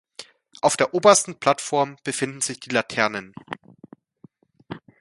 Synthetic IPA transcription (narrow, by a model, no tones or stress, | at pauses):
ʔaʊfd̥eːɐʔoːbɐstn̩pl̥atfɔɐmb̥əfɪndn̩zɪçd̥iːlatʰɛɐnən